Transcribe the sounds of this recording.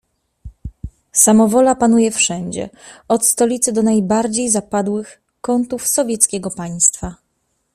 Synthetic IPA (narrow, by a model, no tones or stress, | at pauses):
samɔvɔlapanujɛfʂɛɲd͡ʑɛ̰ɔt̪st̪ɔlʲit̪sɘd̪ɔnajbaɾd͡ʑejzapad̪wɘx | kɔnt̪ufsɔvʲjɛt̪skʲɛɡɔpaj̃st̪fa